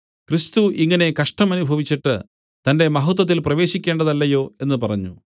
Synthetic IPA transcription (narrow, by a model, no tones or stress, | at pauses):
krist̪uʔiŋːɐne̞kɐʂʈɐmɐnubʱɐʋit͡ɕːiʈːɨ | t̪ɐnde̞mɐɦut̪̬ːwɐt̪̬ːilprɐʋe̞ːɕikʲːe̞ːɳɖɐðɐlːɐjo̞ːe̞n̪ːɨpɐrɐɲːu